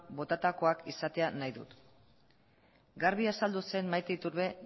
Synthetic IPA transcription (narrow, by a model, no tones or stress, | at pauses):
bo̞t̪at̪ako̞akisat̪e̞anajðṵt̪ | ɡaɾβiasald̪use̞nmajt̪eit̪uɾβe̞